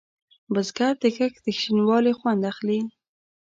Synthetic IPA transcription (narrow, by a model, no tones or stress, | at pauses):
bəzɡaɾd̪əkəkd̪̥əxʃinwɑlexwand̪axli